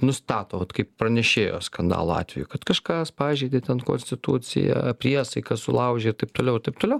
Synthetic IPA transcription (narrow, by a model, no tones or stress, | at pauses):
nʊst̪ɑːt̪oːʋɐt̪kɐɪppɾɐnʲɛʃʲeːjo̰ːskɐnd̪ɑ̰ːlˠoːɑ̰ːt̪ʲʋʲɛ̰jukɐt̪kɐʃkɐspɑːʒʲd͡ʒʲɛɪd̪ʲet̪ʲɛnko̰nʲsʲt̪ʲɪt̪ut͡s̪ʲɪ̰jɛ̰pʲɾʲiɛsɐɪkɐsʊlˠɐʊʒʲeɪɾt̪ɐɪp̚t̪oːlʲɛʊɪɾt̪ɐɪpt̪oːlʲɛʊ